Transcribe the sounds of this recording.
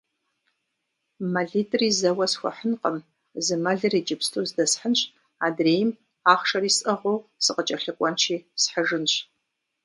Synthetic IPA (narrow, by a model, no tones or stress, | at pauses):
mɐɮiːtʼriːzɐwɐsxʷɔ̰ħənqəm | zɨmɐɮɨriːd͡ʒɪpstʰozdɐsħənɕ | aːdreːjɪm | aːχʂɐriːsʼɐʁʷowsɨqət͡ʃʼɐɬɨkʷʼɔnt͡ʃʰiːsħəʐɨnɕ